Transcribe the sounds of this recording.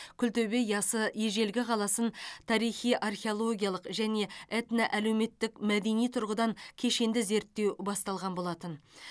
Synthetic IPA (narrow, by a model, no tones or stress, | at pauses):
kʲʰʏlt̪ebe̞jɑsəjeʒe̞lɡʲɪqʰɑlˠɑsənt̪ʰɑɾijχijʔarχʲeolˠo̞ɡʲijalˠəqʒæne̞et̪naʔæle̞wme̞t̪ːɪkmæd̪e̞nijt̪ʰʊɾʁəd̪ɑŋkʲʰe̞ʃe̞nd̪ɪze̞ɾt̪ːewbɑst̪ɑlˠʁɑnbo̞lˠɑt̪ən